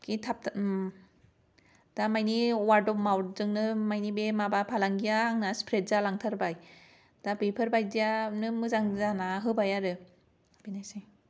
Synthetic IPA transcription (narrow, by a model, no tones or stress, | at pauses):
kitʰap̚ | d̥amajniwaɾdɔmawɾzɯŋnɯmajnibemabapʰalaŋɡijaŋnaspʰɾet̚zalaŋtʰaɾbaj | d̥abepʰɯɾbajdijanɯmɯzaŋzanaɦɯbajaɾɯ | b̥enajsaj